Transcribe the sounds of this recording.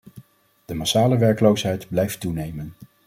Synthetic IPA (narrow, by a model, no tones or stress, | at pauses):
d̥əmasaːləʋɛɹkəlowsɦɛjdblɛjftunejmən